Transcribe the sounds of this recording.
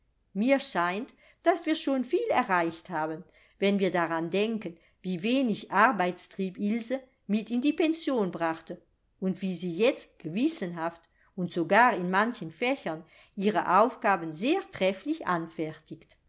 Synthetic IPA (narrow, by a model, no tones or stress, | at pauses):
miːɐʃaɪnt | d̥asv̥iːɐʃoːnfiːlɛɐʁaɪçthaːbən | vɛnviːɐdaʁandɛŋkən | viːveːnɪçʔaʁbaɪt͡stʁ̥iːpɪlzə | mɪtɪndiːpɛnsjoːnbʁaχtə | ʊntv̥iːziːjɛt͡st̚ɡ̥əvɪsənɦaft | ʊntz̥oɡaːʁɪnmançənfɛçɐn | ʔiːʁə̰ʔaʊfɡ̥aːbənzeːɐtʁ̥ɛflɪçʔa̰nfɛʁtɪkt